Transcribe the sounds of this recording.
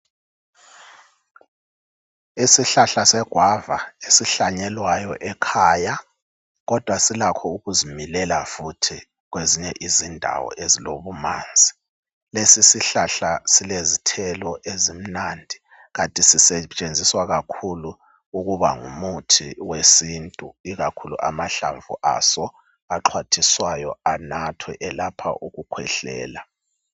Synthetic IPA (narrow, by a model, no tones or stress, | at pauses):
isiɬaɬasɛɡ̥ʱwavaesiɬaɲɛlwajɔʔɛkʰaːja | ɣɔd̥ʱwasilakʰɔuɣuzimilɛlafutʰi | ɣweziɲɛʔizindʱa̰wɔ̰ʔezilo̰βuma̰ːnd͡zʱi̥ | lesisiɬaɬasilezitʰɛlɔʔezim̩nandʱi | ɣatʼisisɛt͡ʃʼend͡zʱiswaɣakʰulu | uɣuβa̰ŋṵmutʰiwesintʼuiɣakʰuluʔamaɬa̰ɱvṵʔa̰sɔ | aǁʰwatʰiswajɔanatʰwɛ̰ʔɛlapʰa̰ʔuɣukʰwɛ̰ɬɛ̰ːla